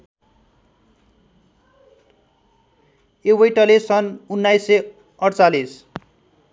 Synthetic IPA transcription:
ewʌjʈʌlesʌnunːajse | ʌɽt͡salis

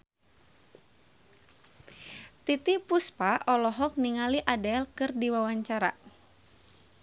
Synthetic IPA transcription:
t̪it̪ipuspaʔɔlɔɦɔk̚niŋaliʔadɛlkɨrdiwawaɲt͡ʃaɾa̰

